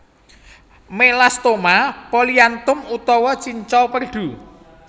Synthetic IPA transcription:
melast̪omapoliant̪ʊmut̪ɔwɔt͡ʃiɲt͡ʃɔwpərɖ̪̥ṳ

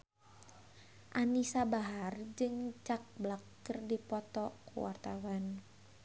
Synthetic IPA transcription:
ʔanisabaɦard͡ʒɨŋt͡ʃak̚blakːərdipɔt̪ɔkṵwa̰rt̪awan

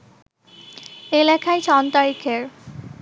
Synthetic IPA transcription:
elɛkʰajt͡ɕʰɔnt̪aɾikʰeɾ

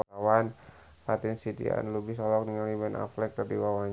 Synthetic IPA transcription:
awan | fat̪insit̪ḭa̰nlubihsɔlɔk̚dəŋalibɛna̰flɛk̚t̪ərdiwawaɲ

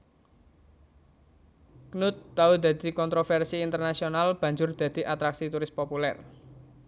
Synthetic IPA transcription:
knʊt̪ːaud̪ä̤d̪̥i̤kɔnt̪ɾofɛrsiːnt̪ərnasionalb̥ä̤ɲd͡ʒʊrd̪̥ä̤d̪̥i̤ʔat̪ɾaksit̪uɾɪspopulɛ̰r

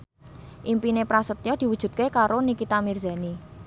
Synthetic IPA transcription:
ʔimpinepɾasət̪jɔd̪̥i̤wud̥ʒ̥ṳt̪̚kekaɾonikit̪amirza̤ni

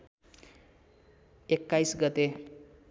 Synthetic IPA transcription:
ekːajsɡʌt̪e

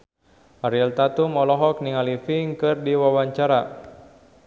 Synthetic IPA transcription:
ʔaɾilt̪at̪umɔlɔɦɔk̚niŋalifiŋkɨrdiwawaɲt͡ʃaɾa

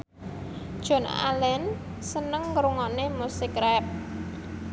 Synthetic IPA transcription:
d̥ʒ̥ɔ̤na̰lɛn | sənəŋkɾuŋɔnemusɪkɾɛp̚

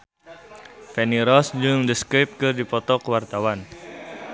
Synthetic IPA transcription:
fɛniɾɔsd͡ʒɨŋdəskip̚kɨrdipɔt̪ɔkəwart̪awan

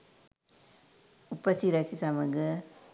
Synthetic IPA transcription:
upːɐsiɾɐsisɐmɐɡɯ

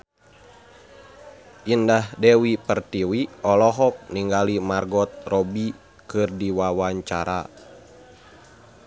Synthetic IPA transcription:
ʔindahdɛwipərt̪iwiɔlɔɦɔk̚niŋɡalimarɡɔt̪̚rɔbi | kɨrdiwawaɲt͡ʃaɾa̰

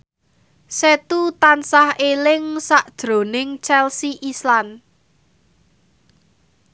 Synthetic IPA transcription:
set̪ut̪ansahelɪŋsaʔd̥ʒ̥ɾo̤nɪŋt͡ʃɛlsiʔislan

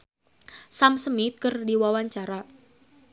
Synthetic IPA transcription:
samsəmit̪̚kərdiwawaɲt͡ʃaɾa

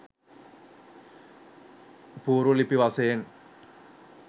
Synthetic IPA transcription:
buɾulipiwasen

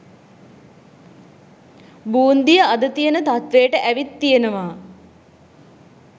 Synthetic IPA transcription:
buːnd̪ijəad̪ət̪ijənət̪at̪ʋeːʈəʔæʋit̪ːijenəʋaː

